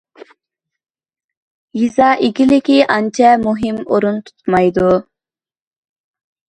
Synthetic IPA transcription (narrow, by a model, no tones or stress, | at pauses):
jizɑʔikʲilɪkʲiʔɑnt͡ʃʰɛmuɦimoɾunt̪ʰu̥t̪mɑjd̪u